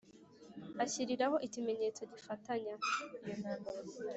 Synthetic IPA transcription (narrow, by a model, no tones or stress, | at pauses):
açiɾiɾaho̞ʔicime̞ɲe̞ːt͡soɟifataɲaijon̥aːmbaɾ